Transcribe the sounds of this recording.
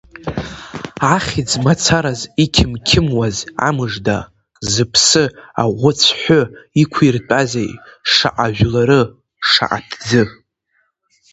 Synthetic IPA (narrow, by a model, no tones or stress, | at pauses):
aχʲid͡zmat͡sʰaɾazikʲʰɪmkʲʰɪmwaza̰mɨʐda | zɨpʰsɨaʁʷʊt͡sʷʰħʷoikʷʰirt͡pʼazejʂa̰ʔaʒʷᶣlaɾɨ | ʂa̰ʔa̰tʰd͡zɨ